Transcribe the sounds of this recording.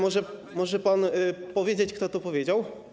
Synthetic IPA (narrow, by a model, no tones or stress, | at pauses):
mɔʐɛ | mɔʐɛpanpɔvʲjed͡ʑet͡ɕkt̪ɔt̪upɔvʲjed͡ʑaw